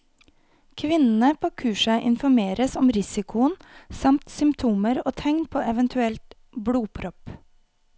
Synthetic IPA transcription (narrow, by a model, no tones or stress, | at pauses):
kʰʋɪnn̩əpʰoːkʰʉːʃəʔɪnfɔɾmeːɾəsɔmɾɪsɪkʰʊənsɑmt̪sʏmpt̪ʰuːməɾoːt̪ʰɛŋnpʰoːɛʋənt̪ʰʉɛlt̪ | bɽuːpʰɾɔp